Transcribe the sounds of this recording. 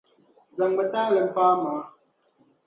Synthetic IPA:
za˨ŋɡ͡bə˨taː˦lə˨m̩˨paː˦maː˨˦

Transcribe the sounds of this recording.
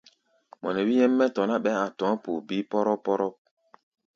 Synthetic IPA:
mɔ˨nɛ˨wi˦jɛ˦mːɛ˦tɔ˨na˦ɓɛ˦a˨tɔ̃˨˦pu˨bi˦pɔ˦ɾɔ˦pɔ˦ɾɔ˦p̚

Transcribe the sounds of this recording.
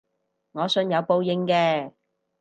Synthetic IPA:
ŋɔː˨˧sɵ˧njɐ˨˧wpo˧wjɪ˨˧ŋkɛː˧

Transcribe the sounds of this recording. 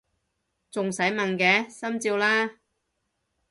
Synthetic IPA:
t͡sʊ˨ŋsɐ˨˥jmɐ˨nkɛː˨˥sɐ˥mt͡siː˧wlaː˥

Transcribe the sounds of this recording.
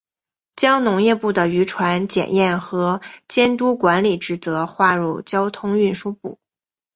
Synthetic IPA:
t͡ɕjɑ˥ŋnʊ˧˥ŋjɛ˥˧pu˥˩d̪ə˩y˧˥ʈ͡ʂʰwa˧˥nt͡ɕjɛ̰˨˩njɛ˥˩nxɤ˧˥t͡ɕjɛ˥nt̪u˥kwa˧˥nli˨˩ʈ͡ʂɻ̩˧˩t͡sɤ˧˥xwa˥˧ɻu˥˩t͡ɕjɑ˥ʊt̪ʰʊ˥ŋy˥˩nʂu˥pu˥˩

